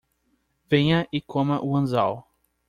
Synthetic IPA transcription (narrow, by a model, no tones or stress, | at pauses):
vẽɲɐʔikʰõmɐʔuɐ̃nzaw